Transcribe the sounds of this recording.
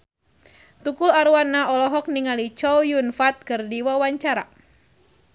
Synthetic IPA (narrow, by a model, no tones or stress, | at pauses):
t̪ukulaɾuwanːaʔɔlɔɦɔk̚niŋalit͡ʃɔwjunfat̪̚kɨrdiwawaɲt͡ʃaɾa